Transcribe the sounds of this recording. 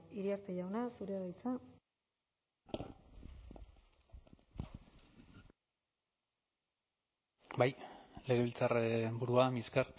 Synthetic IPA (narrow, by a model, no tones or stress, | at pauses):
iɾiaɾt̪ejawnasuɾeɣajt͡sa | bajle̞ɣe̞βilt͡sarbuɾuamiskar